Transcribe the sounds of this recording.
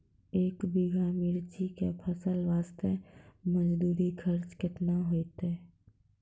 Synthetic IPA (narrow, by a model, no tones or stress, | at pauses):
eːkbɪɡamɪɾt͡ʃikepʰəsəlʋaːst̪eməd͡ʒd̪uːɾikʰəɾt͡ʃkɪt̪naɦoːt̪e